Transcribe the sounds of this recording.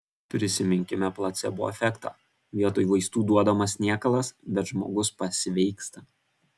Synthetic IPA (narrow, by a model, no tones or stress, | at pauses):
pʲɾʲɪsʲɪmʲɪŋʲkʲɪmʲɛplˠɐt̪sʲɛ̰bʊʋɔ̰ɛfʲɛkt̪ɑ̰ | ʋʲiɛt̪oːjuʋɐɪst̪uːd̪uɔd̪ɐmɐsʲnʲiːkɐlˠɐsbʲɛt̪ʒmo̰ːɡʊspɐsʲɪʋʲɛɪkst̪ɐ